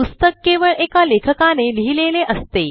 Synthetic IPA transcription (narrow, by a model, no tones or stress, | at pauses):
ust̪əkːeʋəɭʔekalekʰəkaneliɦileleʔəst̪e